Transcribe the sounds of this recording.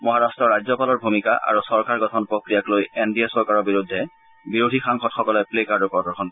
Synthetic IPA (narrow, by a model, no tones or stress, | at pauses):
mɔɦaɹastɹɔɹazɔpalɔɹbʱumika̰ʔa̰ɹusɔɹkaɹɡɔtʰɔnpɹokɹijaklojendiesɔɹkaɹɔbiɹudʱːɛ | biɹodʱixaŋxɔtxɔkɔlɛplekadɔpɔdɔxʰɔn